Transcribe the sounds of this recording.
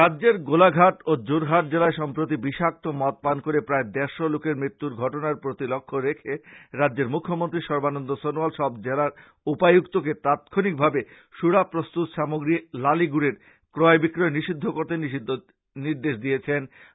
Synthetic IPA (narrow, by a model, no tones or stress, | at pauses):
ɾadːd͡ʑeɾɡolaɡʱaʈod͡ʑoɾɦaʈ̚d͡ʑelaeʃɔmpɾot̪̬ibiʃak̚t̪omɔt̪̚pankoɾepɾaed̪ɛɾʃolokeɾmɾit̪ːuɾɡʱɔʈonaɾpɾot̪ilokʰːoɾekʰeɾadːeɾmukʰːomont̪ɾiʃɔɾbanond̪osonualʃɔbd͡ʑelaɾ | upajukt̪ok̬et̪at̪kʰonik̚bʱabe | ʃuɾapɾost̪ut̪ʃamoɡɾilaliɡuɾeɾ | kɾɔebikɾoeniʃid̪ʱːokoɾt̪enii | niɾd̪eʃd̪iet͡ɕʰen